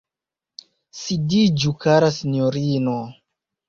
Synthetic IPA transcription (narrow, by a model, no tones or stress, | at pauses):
sidid͡ʒukaɾasinjoɾino